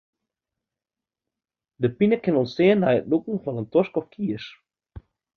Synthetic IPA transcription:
dəpinəkɪnɔnsteːəndɛjətlukŋ̩fɔnəntɔskɔfkʰiəs

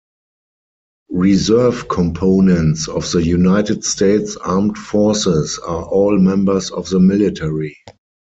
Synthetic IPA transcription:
ɹizɜ˞vkʰɔ̃mpʰoʊnɛ̃ntsɔfðəjunaɪtɪdsteɪtsaːmtfɔsɪsaʔɔːlmɛ̃mbə˞sɔfðəmɪlɪtʰɛɹi

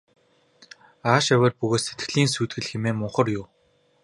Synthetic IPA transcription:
aːʃæwʲĕːrpɵɣoːt̪set̪ɡɘ̆ɮiːnsuːt̪̚ɡɘ̆ɮxemeːmʊɴχə̆rjʊː

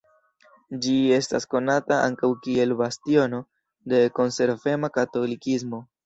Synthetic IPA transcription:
d͡ʒie̞stasko̞nataʔa̰ŋkawkie̞lbastio̞no̞ | de̞ko̞nse̞ɾve̞makato̞likismo̞

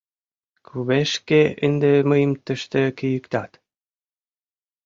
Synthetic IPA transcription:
kʰuβeʃkeɘnd̪emɤjəmt̪ə̆ʃt̪ĕkĭjəkt̪ɑt̪

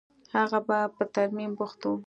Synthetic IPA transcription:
haɣabapət̪aɾmimpʊxt̪o

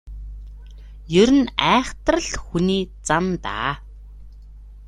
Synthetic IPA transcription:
jɵɾɘ̆næːχt̪rə̆ɮxuniːt͡samt̪a̰ː

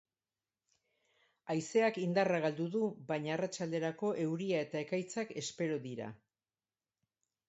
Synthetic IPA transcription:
ajse̞akind̪araɣald̪uðuβajɲaːrat͡ʃald̪e̞ɾako̞ʔe̞wɾiae̞t̪ae̞kajt͡sake̞spe̞ɾoðiɾa̰

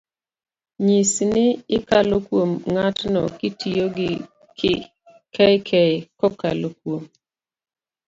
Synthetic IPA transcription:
ɲisnɪɪkalokwomŋatnɔ̰kɪtijoɡɪ | kɛjkʰɛkɔkalokwom

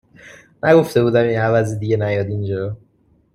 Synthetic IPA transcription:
nʔæɡo̞ft̪e̞buːd̪æminævæzid̪iɟenæjɒːd̪ind͡ʒɒɾo

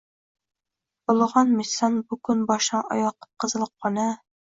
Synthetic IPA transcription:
bŏlˠʁɑnmisɑnbukɵnbɒʃnɑʔɒ̰jɑqːɤ̥p̚qɤ̆zɤ̆lˠɤqːɑnɑ

